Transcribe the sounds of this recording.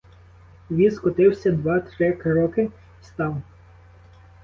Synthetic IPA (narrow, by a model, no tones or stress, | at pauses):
ʋʲiskɔt̪ɪwsʲɐd̪ʋɑt̪ɾɪkɾɔkɪ | st̪ɑw